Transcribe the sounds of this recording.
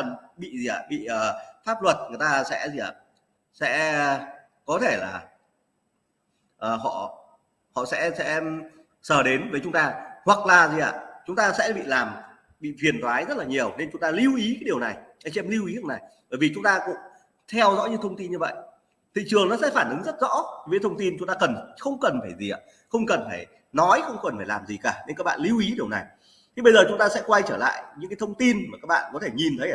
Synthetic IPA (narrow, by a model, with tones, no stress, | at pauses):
ə˨˩nɓḭ˧˨zi˨˩a̰ː˨˩ɓḭ˧˨əː˨˩faː˦˥p̚lwə˨˩t̚ŋɨ˨˩əjt̪aː˧sɛ̰˧˥zi˨˩˨a̰ː˨˧˨ | sɛ̰˧˥˧ | kɔ˨˦t̪ʰe˧˩la̰ː˨˩ | ʔəː˨˩ɦɔ̰˧˨ | hɔ̰˧˨sɛ̰˧˥sɛ̰˧˥ | səː˧˩ɗe˨˦nvəː˨˦jt͡ɕʊ˨˦ŋ͡mt̪aː˧hwa˨˩k̚laː˨˩zi˨˩ʔa̰ː˧˨t͡ɕʊ˨˦ŋ͡mt̪aː˧sɛ̰˧˥ɓḭ˧˨laː˨˩m | ɓḭ˧˨fi˨˩ənt̪waː˨˦jzə˦˥t̚laː˨˩ɲi˨˩əwne˧nt͡ɕʊ˨˦ŋ͡mt̪aː˧li˧wʔi˨˦kaː˨˦jɗi˨˩əwna˨˩jʔa˧jt͡ɕɛ˧mli˧wʔi˨˦lna˨˩jɓəː˧˩vi˨˩t͡ɕʊ˨˦ŋ͡mt̪aː˧kʊ̰˧˥ŋ͡m | t̪ʰɛ˧wzɔ̰˧˥ɲɨ˧t̪ʰə˧wŋ͡mt̪i˧nɲɨ˧və̰˧˨jʔ | t̪ʰḭ˧˨t͡ɕɨ˨˩əŋnɔ˨˦sɛ̰˧˥faː˧˩nʔɨ˨˦ŋzə˦˥t̚zɔ̰˧˥i˨˩vi˨˦jt̪ʰə˧wŋ͡mt̪i˧nt͡ɕʊ˨˦ŋ͡mt̪aː˧kə˨˩nxə˧wŋ͡mkə˨˩nfaː˧˩jzḭ˨˩a̰˧˨˩ | xə˧wŋ͡mkə˨˩nfaː˧˩j | nɔ˨˦jxə˧wŋ͡mkə˨˩nfaː˧˩jlaː˨˩mzi˨˩kaː˧˩ne˧nka˦˥k̚ɓa̰ː˧˨nli˧wʔi˨˦ɗi˨˩əwna˨˩j | t̪ʰi˧˩ɓə˧jzəː˨˩t͡ɕʊ˨˦ŋ͡mt̪aː˧sɛ̰˧˥kwa˧jt͡ɕəː˧˩la̰ː˧˨jɲɨ̰˧˥kaː˨˦t̪ʰə˧wŋ͡mt̪i˧nmaː˨˩kaː˦˥k̚ɓa̰ː˧˨nkɔ˨˦t̪ʰe˧˩ɲi˨˩nt̪ʰə˨˦j